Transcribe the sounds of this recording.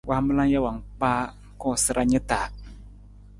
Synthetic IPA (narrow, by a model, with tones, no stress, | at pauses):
wʔa˦hmɨ˦la˦ŋja˦wa˨ŋk͡paː˦ | kɔ˦˨sɨ˦ɾʔa˦ɲɛ˦taː˨